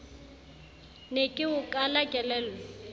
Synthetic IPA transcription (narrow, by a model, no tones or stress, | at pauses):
nekʼɪʊkʼalakʼɛlɛːlɛ